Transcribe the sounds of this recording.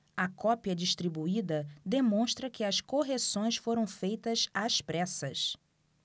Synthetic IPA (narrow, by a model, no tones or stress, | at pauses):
ɐkɔpiɐd͡ʒiʃt̪ɾibuid̪ɐd̪emõʃt̪ɾɐkɪɐskoɦesõj̃sfoɾɐ̃w̃fejt̪ɐzaspɾɛsɐs